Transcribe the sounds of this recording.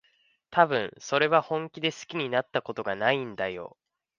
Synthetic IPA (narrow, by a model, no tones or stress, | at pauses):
t̪abɯ̟̃ɰ̃so̞ɾe̞βahõ̞ŋkʲid̪e̞sɨ̥kʲiɲ̟inat̪ːako̞t̪o̞ɡanaĩnd̪ajo̞̰